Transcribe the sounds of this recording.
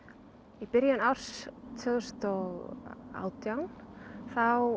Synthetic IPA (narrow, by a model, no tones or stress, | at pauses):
ipɪɾjanawɾ̥st̪ʰœðst̪ɔɣa̰wt̪jawnθaw